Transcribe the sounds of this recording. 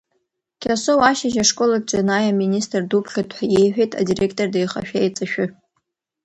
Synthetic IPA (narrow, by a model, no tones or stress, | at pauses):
kʲʰasowaʃaʒaʂkʼolak̚t͡ʃʼanajaministʼrdupʰχʲadʰħʷajejħʷᶣejtʼa̰direkʰtʼordejχa̰ʃᶣajt͡sʼaʃᶣʊ